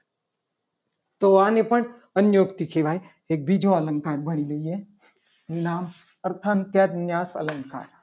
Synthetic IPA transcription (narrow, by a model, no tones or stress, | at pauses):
t̪oaːnepəɳ | ənjoːkt̪ikʰeʋaːj | eːk̚bʱid͡ʒoɐləŋkaːɾbʱɐɽilɐie | ɾinaːm | ɐɾt̪ʰaːnt̪jaːd̪njaːsɐ̰ləŋka̰ːɾ